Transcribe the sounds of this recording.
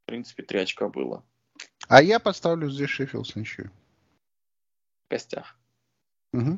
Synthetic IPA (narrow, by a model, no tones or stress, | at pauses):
pɾʲint̪sɨ̥pʲɪt̪ɾʲat͡ɕkəbɨ̰lˠə̰ | ajapɐst̪avlʲʊzʲdʲesʲʂefʲɪ̰lˠsɨnʲɕṵ | ɡ̥ɐsʲtʲa̰x | m̩ɦm̩